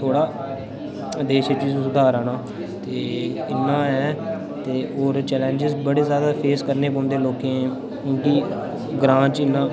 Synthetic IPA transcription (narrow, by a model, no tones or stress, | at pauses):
t̪ʰoːɽaː | d̪eːʃet͡ʃizsʊd̪aːɾaːnãː | t̪eːɪnːãːɛː | t̪eːoːɾt͡ʃɛːlɛ̃ːɲd͡ʒɪzbəɽeːzjaːd̪aːpʰeːskəɾneːpõːnd̪eːloːkẽːɛ̃ː | kõːkiː | ɡɾãːt͡ʃɪnːãː